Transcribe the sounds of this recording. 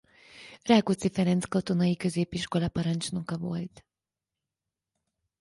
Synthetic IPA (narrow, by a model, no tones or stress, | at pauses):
raːkut̪sifɛɾɛnt̪skɒt̪o̞nɒjikø̞zeːpiʃko̞lɒpɒɾɒnt͡ʃno̞kɒvo̞̰lt̪